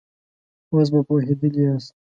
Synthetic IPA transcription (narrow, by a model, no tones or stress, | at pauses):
os̬bapoɦed̪əlias